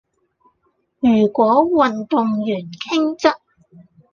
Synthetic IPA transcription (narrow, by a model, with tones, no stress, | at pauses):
jyː˨˩kʷɔː˨˥wɐ˨nt̪ʊ˨ŋjyː˨˩nkʰɪ˥ŋt͡sɐ˥t̚